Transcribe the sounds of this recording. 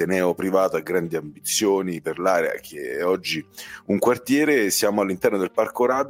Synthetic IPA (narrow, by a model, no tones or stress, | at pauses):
t̪enɛːopɾivaːt̪oaɡɾand̪iambit̪sːjoːniperlaːɾea̰k̟ʰeɛɔd͡ʒːiuŋkwart̪jɛːɾesjaːmoalːint̪ɛrnod̪elparkoɾaːd̪